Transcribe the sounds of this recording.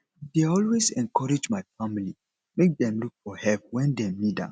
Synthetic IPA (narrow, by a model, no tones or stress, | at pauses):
deɔlwezɛ̃nkʰɔɹed͡ʒmaɪfamili | mek̚dɛ̃mluk̚fɔhɛlp̚wɛ̃ndɛ̃midã̰